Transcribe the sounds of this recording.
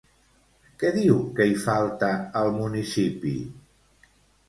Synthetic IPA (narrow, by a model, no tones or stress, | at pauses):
kɛðiwkəifalˠt̪əəlˠmunisipḭ